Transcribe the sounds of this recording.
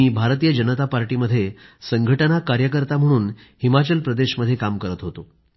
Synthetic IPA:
iːbʱaɾt̪iːjəd͡ʑənət̪apaɾʈiməd̪ʱːjesəŋɡʱəʈənakaɾjək̬əɾt̪am̤əɽ̃uːn | himat͡ɕəlpɾəd̪eɕməd̪ʱːjekamkəɾət̪ɦot̪o

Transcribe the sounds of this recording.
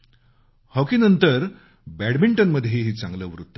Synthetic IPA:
hɔkiːnənt̪əɾ | bæɽbiɳʈənməd̪ʱjeɦiːt͡sãŋɡləːʋɾut̪ːə

